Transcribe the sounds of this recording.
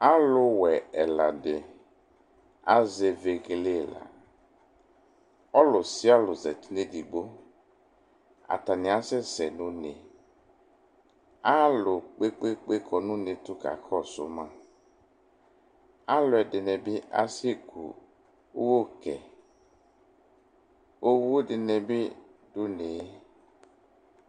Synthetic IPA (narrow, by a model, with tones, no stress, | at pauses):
a˦lʊ˦wɛ˨ɛ˨la˨dɪ˨ | a˦ze˨ve˨ɣle˦˨la̰˨ | ɔ˦lʊ˨sɪ˦a˦lʊ˨zɛ˨ti˦ne˦di˨ɡ͡bo˦ | a̰˨t̪a˨nɪ˨a˦sɛ˦sɛ˨nʊ̃˦ne˨ | a˦lʊ˨k͡pe˦k͡pe˦k͡pe˦kʰɔ˨nũ˦ne˨t̪ʊ˦ka̰˨xʰɔ˦˨sʊ̰˦mã˦ | a˦lʊ˨ɛ˨dɪ˨nɛ˨bɪ˦ʔa̰˦si˦e˦˨kʰṵ˨ | o˦wo˦kɛ̰˨ | o˦wu˦o˦dɪ˨nɛ˨bɪ˦dʊ˦ne˨˦